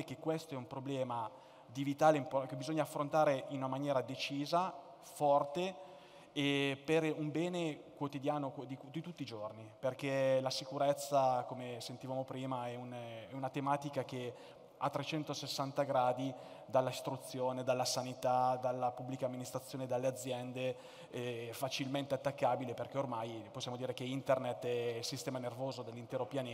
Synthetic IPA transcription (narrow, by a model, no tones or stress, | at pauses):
k̟ekːwest̪oɛumpɾoblɛːma | d̪ivit̪aːleimpokebizoɲːaːfːɾont̪aːɾeʔinunamanjɛːɾad̪et͡ʃiːza | fɔrt̪e | eperumbɛːnekwot̪id̪jaːnokd̪id̪it̪ut̪ːiːd͡ʒorniperkelasikuɾɛt̪sːakomesent̪ivaːmopɾiːmaɛunɛunat̪emaːt̪ikake | at̪ːɾet͡ʃɛnt̪osesːant̪aɡɾaːd̪i | d̪alːaist̪ɾut̪sːjoːned̪alːasanit̪ad̪alːapubːlikaːmːinist̪ɾat̪sːjoːned̪alːead̪zːjɛnd̪e | ɛfat͡ʃilment̪eat̪ːakːaːbileperk̟ɛormajposːjaːmod̪iːɾekeint̪ernet̪ːɛilsist̪ɛːmanervoːzod̪elːint̪ɛːɾopjaneː